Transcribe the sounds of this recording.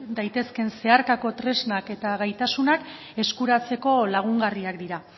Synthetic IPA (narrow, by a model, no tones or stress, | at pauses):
d̪ajt̪e̞ske̞nse̞aɾkako̞t̪ɾe̞znake̞t̪aɣajt̪asunak | e̞skuɾat͡se̞ko̞laɣ̞uŋɡariakd̪iɾa